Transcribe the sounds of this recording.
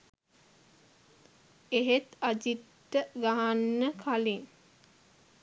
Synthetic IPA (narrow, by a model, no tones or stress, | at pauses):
eɦet̪ad͡ʒitːəɡaɦanːəkʰaliŋ